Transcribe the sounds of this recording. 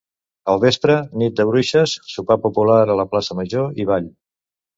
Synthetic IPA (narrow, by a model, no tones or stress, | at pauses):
əlˠβespɾənit̪̚d̪əβɾuʃəsːupapupulaɾələplasəməʒoiβ̞aʎ